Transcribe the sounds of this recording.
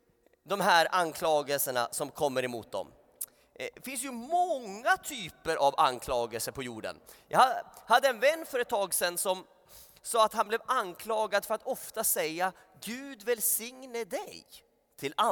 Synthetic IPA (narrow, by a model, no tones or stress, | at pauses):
d̪ɔmɦæːɾankʰlɑːɡəlsəɳa̰sɔmkʰɔmːəɾɛmuːt̪̚d̪ɔ̰m | fɪnsjɵmɔŋːat̪ʰyːpəɾʔava̰nkʰlɑːɡəlsəpʰɔjuːɖə̰njʔɑ̰hahad̪ːəɛnvɛnːfœɾət̪ːʰɑːɡsɛnːsɔm | sɑːat̪hanblɛvankʰlɑːɡad̪fœɾat̪ɔft̪asɛjːa | ɡʉ̟ːd̪vɛlsɪŋnəɖɛj | t̪ʰɪla